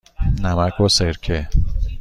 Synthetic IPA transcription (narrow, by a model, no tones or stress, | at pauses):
namakoseɾkʰe